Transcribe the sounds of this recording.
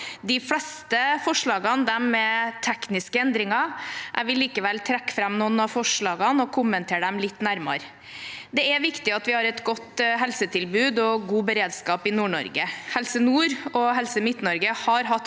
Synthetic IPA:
d̪ɪfɽɛst̪əfɔʂɭɑːɡɑnd̪ɛmːɛt̪ʰɛknɪskəɛnd̪ɾɪŋɑʔæʋɪlːiːkəʋɛlt̪ʰɾɛkːfɾɑmnuːnɑfɔʂɭɑːɡɑnɔkʰʊmːənt̪ʰeːɖɛmlɪt̪ːnæɾmɑ̰ɾ | d̪ɛɛʋɪkt̪ɪɑt̪ʋɪhɑːɾɛt̪ɡɔt̪ɦɛlsət̪ʰɪlbʉːd̪ɔɡuːbəɾeːd̪skɑːpɪnuːɳɔ̰ɾɡəhɛlsənuːɾɔɦɛlsəmɪt̪ːnɔɾɡəhɑɾɦɑt̪ː

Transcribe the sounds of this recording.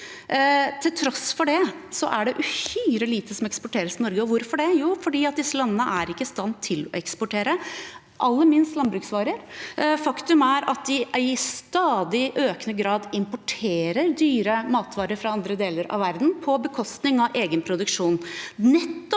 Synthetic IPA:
t̪ʰɪlt̪ʰɾɔsfɔɖɛ | sɔ̰ʔæɖɛʔʉhyːɾəliːt̪əsɔmɛkspɔʈʰeːɾəsɪnɔɾɡəɔʋʊɾfɔɖɛjuːfɔɖiːɑt̪̚d̪ɪsːəlɑnːənəʔæɾɪkːəst̪ɑnt̪ʰːɪlɔ̰ɛkspɔʈʰeːɾə | ʔɑlːəmɪnst̪lɑnbɾʉːksʋɑːɾəɾfɑkt̪ʉmæɾɑt̪̚d̪ɪɪst̪ɑːd̪ɪʔøːknəɡɾɑːd̪ɪmpʊʈʰeːɾəɾd̪yːɾəmɑːt̪ʋɑːɾəɾfɾɑɑnd̪ɾəd̪eːləɾɑ̰ʋæɾd̪n̩pʰɔbəkʰɔst̪nɪŋɑʔeːɡənpʰɾʊd̪ʉkʂuːnnɛt̪ːɔ

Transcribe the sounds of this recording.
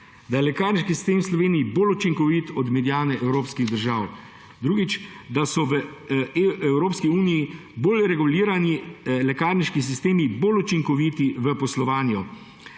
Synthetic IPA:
d̪ajɛlɛkaːɾniʃkisi̥st̪eːmwslɔʋeːnijiboːlut͡ʃiŋkɔʋiːt̪ɔd̪mɛd̪jaːnɛʔɛwɾoːpskiɣd̪əɾʒaːw | d̪ɾuːɡit͡ʃ | d̪asɔʋə | ɛwɾoːpskiuːnijiboːlɾɛɡuliːɾanilɛkaːɾniʃkis̬ist̪eːmibolut͡ʃiŋkɔʋiːt̪iʋəpɔslɔʋaːnjɔ

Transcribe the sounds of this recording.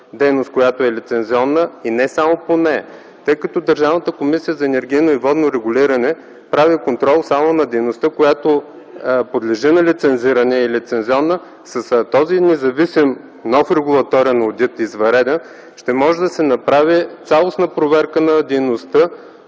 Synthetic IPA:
d̪ɛjnost̪̚kojat̪oɛlit̪sɛnziɔnːəinɛsamoponɛ | t̪ɤjkɐt̪ɔd̪əɾʒavnət̪əkomisijəzɐɛnɛɾɡ̟ijnoivɔd̪noɾɛɡʊliɾɐnɛ | pɾavikont̪ɾɔlˠsamonɐd̪ɛjnost̪əkojat̪o | pod̪lɛʒinɐlit̪sɛnziɾənɛilit̪sɛnziɔnːə | sɐst̪ɔzinɛzɐvisim | nɔfɾɛɡʊlˠɐt̪ɔɾiənɐod̪ʲit̪izvɐɾɛd̪ɛn | ʃt̪ɛmɔʒɛd̪ɐsɛnɐpɾavit̪sʲalˠosnəpɾovɛɾkənɐd̪ɛjnost̪ə

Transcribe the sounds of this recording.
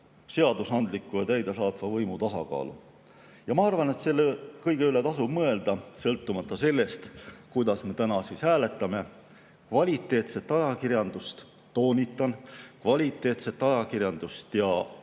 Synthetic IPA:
se̞ɑd̪usɑnd̪likːˑujɑt̪æjd̪̥esɑːt̪ˑvɑvɤjmut̪ɑsɑ̰kɑ̰ːlṵ | jɑmɑɑrvɑne̞t̪se̞lːekɤjɡ̥e̞yle̞t̪ɑsub̥mɤe̞ld̪̥ɑsɤ̞lt̪ːˑumɑt̪ːˑɑse̞lːe̞st̪kujd̪̥ɑsme̞t̪ænɑsiːshæːle̞t̪ːˑɑme̞ | kvɑlʲit̪ːˑe̞ːt̪se̞t̪ːˑɑjɑkirjɑnd̪ust̪ː | o̞ːnʲit̪ːˑɑnkvɑlʲit̪ˑːe̞ːt̪se̞t̪ːˑɑjɑkirjɑnd̪̥ust̪jɑ

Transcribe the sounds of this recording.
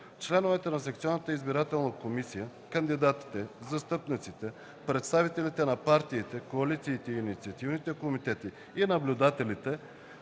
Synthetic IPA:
t͡ʃlɛnovɛt̪ɛnɐsɛkt̪sʲiɔnːət̪əizbiɾat̪ɛlˠnəkomisijəkənd̪id̪at̪i̥t̪ɛzɐst̪ɤpnit̪sit̪ɛ | pɾɛt̪st̪avit̪ɛlit̪ɛnɐpaɾt̪iːt̪ɛkoɐlit̪siːt̪ɛiːnit̪sʲiɐt̪ivnit̪ɛkomit̪ɛt̪i | inɐblʲʊd̪at̪ɛlit̪ɛ

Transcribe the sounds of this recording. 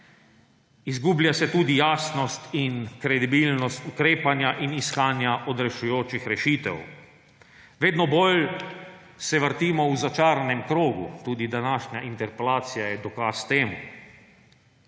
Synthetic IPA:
izɡuːblʲjasɛt̪uːd̪ijaːsnɔst̪inkɾɛd̪ibilnɔst̪ukɾeːpanjaʔiniskaːnjaʔɔd̪ɾɛʃujoːt͡ʃixɾɛʃiːt̪ɛ̰w | ʋeːd̪nɔbol | sɛʋəɾt̪iːmɔuzat͡ʃaːɾanɛmkɾoːɡṵt̪uːd̪id̪anaːʃɲaʔint̪ɛɾpɛlaːt̪sijajɛd̪ɔkaːst̪eːmu

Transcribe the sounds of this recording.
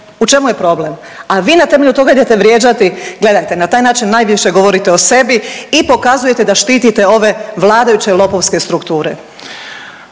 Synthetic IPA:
ut͡ʃemuje̞pɾo̞ble̞m | aʋiːnat̪eme̞ʎut̪o̞ɡaid̪et̪e̞ʋɾjeːd͡ʑat̪iɡle̞d̪ajt̪e̞nat̪aːjnaːt͡ʃinːaːjʋiʃe̞ɡo̞ʋo̞ɾit̪eo̞se̞biipo̞kazuje̞t̪e̞d̪aʃt̪iːt̪it̪e̞o̞ʋe̞ʋlˠaːd̪ajut͡ɕelˠo̞po̞ʋske̞st̪ɾukt̪uːɾe̞̰

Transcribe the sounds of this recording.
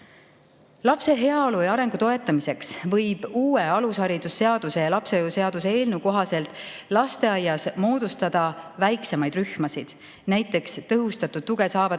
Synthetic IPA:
lɑpse̞ɦe̞ɑolujɑɾe̞ŋɡ̥ut̪o̞e̞t̪ːˑɑmise̞ksvɤjb̥uːe̞ɑlushɑɾid̪̥usːe̞ɑd̪̥use̞jɑlɑpseojuse̞ɑd̪̥useeːlnuko̞ɦɑse̞lt̪ˑlɑst̪e̞ɑjːɑsmo̞ːd̪̥ust̪ɑd̪̥ɑvæjkse̞mɑjd̪ryhmɑsid̪̥ | næjt̪ːˑe̞kst̪ɤɦust̪ɑt̪ːud̪̥̚t̪ːuɡ̥e̞sɑːvɑ

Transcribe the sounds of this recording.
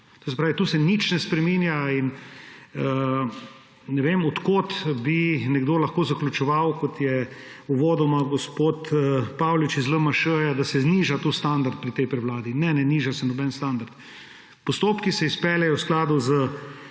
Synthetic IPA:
t̪oːs̬ɛpɾaːʋit̪uːsɛnit͡ʃnɛspɾɛminjain | ə | nɛʋemɔt̪koːt̪binɛɡd̪oːlɐxkoːzaklʲut͡ʃɛʋawkɔt̪jɛ | uʋoːd̪ɔmaɡospot̪əpawlit͡ʃizləmaʃəːjad̪asɛzniːʒat̪ost̪and̪aɾt̪̚pɾit̪ɛjpɾɛwlaːd̪inɛnɛniːʒasɛnɔbɛnst̪and̪aɾt̪ | pɔst̪oːpkisɛispɛljɛjɔwsklaːd̪uzə

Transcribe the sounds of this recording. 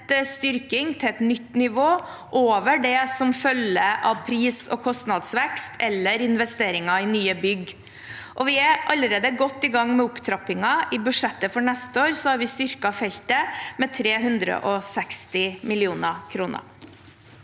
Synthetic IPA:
t̪st̪ʏɾkɪŋt̪ʰɛɛt̪nʏt̪ːnɪʋoː | ʔoːʋəɖɛsɔmfœləʔɑʋpʰɾiːsɔ̰kʰɔst̪nɑd̪sʋɛkst̪ʰɛlːəɾɪnʋɛst̪eːɾɪŋɑɪnyːəbʏɡ | ʔɔʋɪæʔɑlːəɾeːd̪əɡɔt̪ːɪːɡɑŋːmɛʊpt̪ʰɾɑpɪŋɑʔɪbʉʂɛt̪ːəfɔɳɛst̪əoːɾsɔhɑɾʋɪst̪ʏɾkɑfɛlt̪əmɛt̪ʰɾeːɦʉnd̪ɾə̰ʔɔsɛkst̪ɪmɪlɪuːnəkʰɾuːnə̰ɾ

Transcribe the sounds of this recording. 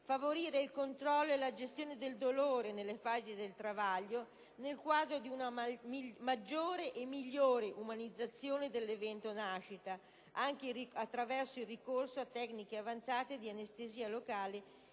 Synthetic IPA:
favoɾiːɾeilkont̪ɾɔlːoelad͡ʒest̪joːned̪eld̪oloːɾenelːefaːzid̪elt̪ɾavaʎːo | nelkwaːd̪ɾod̪iuna | mad͡ʒːoːɾeʔemːiʎːoːɾeʔumanid̪zːat̪sːjoːned̪elːevɛnt̪onaʃit̪a | aŋk̟eiiat̪ːɾavɛrsoilrːikorsoat̪ːɛknikeavant̪saːt̪ed̪ianest̪eziːalokaːle

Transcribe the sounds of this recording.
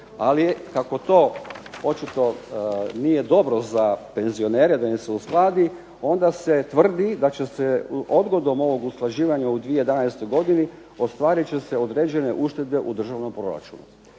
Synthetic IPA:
alikako̞t̪o̞ːo̞t͡ʃit̪o̞nijed̪o̞bɾo̞zape̞nzio̞neːɾed̪aneseusklˠaːd̪i | o̞nd̪aset̪ʋr̩d̪id̪at͡ɕe̞seod̪ɡo̞d̪o̞mo̞ʋo̞ɡusklˠaʒiːʋaɲaud̪ʋiejed̪anajst̪o̞jɡo̞d̪ini | o̞st̪ʋaːɾit͡ɕe̞seo̞d̪ɾeːd͡ʑe̞ne̞ʔuʃt̪e̞d̪be̞ʔud̪r̩ʒaʋno̞mpɾo̞ɾa̰t͡ʃṵnṵ

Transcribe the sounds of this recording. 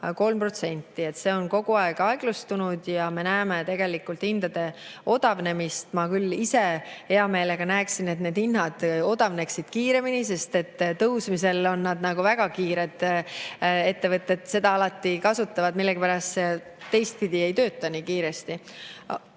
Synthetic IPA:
ko̞lmpro̞t̪se̞nʲt̪ːˑie̞t̪ːse̞o̞nko̞ɡ̥uɑeɡ̥ɑeɡ̥lust̪unud̪̥jɑme̞næːme̞t̪e̞ɡ̥e̞likːˑult̪ind̪̥ɑd̪e̞o̞d̪̥ɑvne̞mist̪mɑkylːise̞he̞ɑme̞ːle̞ɡ̥ɑnæeksine̞t̪ne̞ːd̪̥inɦɑd̪̥o̞d̪̥ɑvne̞ksid̪̥kiːɾe̞minis̬e̞st̪e̞t̪ːt̪ɤwsmise̞lo̞nːɑd̪nɑɡ̥uvæɡ̥ɑkiːɾe̞d̪̥ | e̞t̪ːe̞vɤt̪ˑːe̞d̪̥se̞d̪ɑɑlɑt̪ːikɑsut̪ːˑɑvɑd̪milːeɡipæɾɑst̪t̪ːe̞jst̪̚pid̪ie̞jt̪ø̞ːt̪ːˑɑniːkiːɾe̞st̪i

